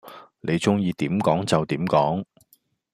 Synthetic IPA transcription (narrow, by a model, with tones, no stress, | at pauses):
ne˨˧jt͡sʊ˥ŋjiː˧t̪iː˨˥mkɔː˨˥ŋt͡sɐ˨wt̪iː˨˥mkɔː˨˥ŋ